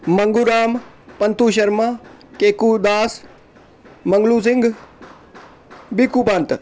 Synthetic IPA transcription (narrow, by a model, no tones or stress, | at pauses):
mɐŋɡuɾaːm | pɐnt̪uːʃ̬ɐɾmakeːkud̪aːs | mɐ̃ŋɡlus̬ɪ̃ŋɡ | bikupãːnt̪